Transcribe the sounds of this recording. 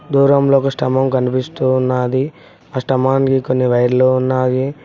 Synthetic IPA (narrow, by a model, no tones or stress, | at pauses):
d̪uːɾɐmlo̞ːkusʈɐmɐmkɐnipist̪unːaːd̪i | aːsʈɐmaːnikiko̞nːiʋɐjɐɾloːunːaːji